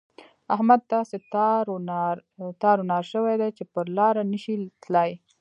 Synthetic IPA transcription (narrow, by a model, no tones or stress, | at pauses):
ahmad̪̚t̪ɑset̪ɾɾt̪ɑɾʊnɑɾʃəwajd̪ajt͡ʃepəɾlɑɾaniʃit̪laj